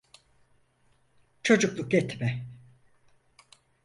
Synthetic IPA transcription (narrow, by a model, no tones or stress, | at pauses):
t͡ʃʰo̞d͡ʒuklˠuk̚ɟɛt̪ʰmɛ